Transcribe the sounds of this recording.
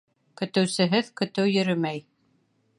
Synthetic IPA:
kɵ̆t̪ɘ̆wsɘ̆ɦɘðkɵ̆t̪ɘwjɵ̆ɾɵmæj

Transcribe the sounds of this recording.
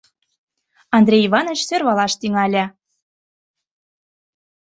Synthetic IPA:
ɑnd̪ɾʲejivɑnŏt͡ɕsørβɑlɑʃt̪yŋælʲæ

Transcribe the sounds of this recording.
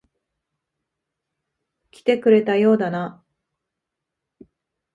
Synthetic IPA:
kʲi̥t̪e̞kɯ̟ɾe̞t̪ajo̞ːd̪ana

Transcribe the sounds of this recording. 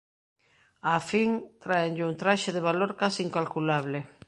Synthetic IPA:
afiŋt̪ɾaeŋʎɪuŋt̪ɾaʃeðeβ̞aloɾkasiiŋkalkulaβ̞le

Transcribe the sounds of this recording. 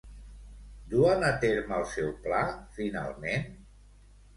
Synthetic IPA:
d̪uənət̪eɾməlˠsɛwplafina̰lˠmen

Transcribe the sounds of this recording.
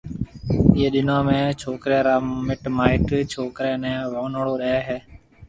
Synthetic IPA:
ɪːeːɗɪnãːmẽːt͡ʃʰoːkɾeːɾaːmɪʈmaːɪʈt͡ʃʰoːkɾeːnɛ̃ːʋoːnəɽoːɗeɛːɦeː

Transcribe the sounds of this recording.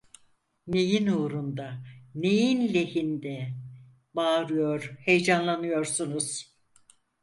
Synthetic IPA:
nejinuːɾund̪anejinlʲe̞hind̪ɛ | baːɾɯjo̞ɾhejd͡ʒanlˠanɯjo̞ɾsunuz̥

